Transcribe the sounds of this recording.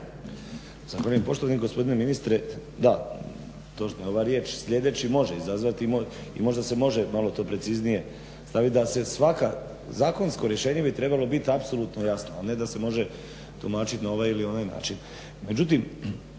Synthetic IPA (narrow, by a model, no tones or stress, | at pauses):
zaxʋaːʎujempo̞ʃt̪oʋaniɡo̞spo̞d̪ine̞minist̪ɾed̪a | t̪o̞t͡ʃnojo̞ʋaɾje̞ːt͡ʃsʎʲe̞d̪e̞t͡ɕimo̞ʒeizazʋat̪imoḭmo̞ʒd̪ase̞mo̞ʒemalo̞t̪o̞ːpɾe̞t̪siznije̞ | st̪aʋit̪d̪ase̞sʋaka | zaːko̞nsko̞ɾje̞ʃe̞ːɲe̞bit̪ɾe̞balo̞bit̪apso̞lˠut̪no̞jasnoane̞d̪ase̞mo̞ʒe | t̪umaːt͡ʃit̪inao̞ʋaːjilio̞naːjna̰ːt͡ʃin | me̞d͡ʑut̪̬im